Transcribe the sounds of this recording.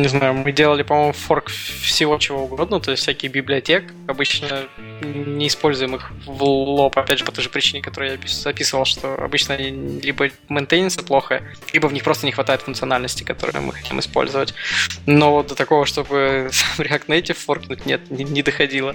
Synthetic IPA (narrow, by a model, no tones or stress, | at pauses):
nʲɪznajʊmɨdʲelˠəlʲɪpɐmo̞jmʊforkfsʲɪvo̞t͡ɕɪvo̞ʊɡo̞d̪nət̪o̞ɪsʲt̪ʲfsʲækʲɪjbʲɪblʲɪɐtʲek | ɐbɨt͡ɕnə | nʲɪːspo̞lʲzʊjɪmɨxvlˠopɐpʲædʲʐɨpɐt̪o̞jʐɨpɾʲɪt͡ɕinʲɪkɐt̪o̞ɾɨjapʲizɐpʲisɨvəlˠʂt̪o̞̰ɐ̰bɨt͡ɕnəɐilʲibə | mɨnt̪ejnʲɪnsɨplˠo̞xəə | lʲibəvnʲixpɾo̞st̪ənʲɪxvɐt̪ajɪt̪fʊŋk̪sɨɐnalʲnəsʲtʲɪ̥kɐt̪o̞ɾɨ̰jʊ̰mʔɨ̰xɐ̥tʲḭmɨ̰spo̞̰lʲzəvətʲno̞d̪ət̪ɐko̞vəʂt̪o̞bɨsamɾʲɪak̚t̪nɐɛtʲɪforknut̚ʲnʲet̪̚nʲɪnʲɪd̪əxɐdʲilˠə